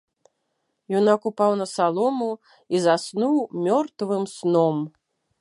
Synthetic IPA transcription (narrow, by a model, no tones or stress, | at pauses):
junakupawnɐsalˠɔmu | izasnuwmʲɔrt̪vɨmsnɔm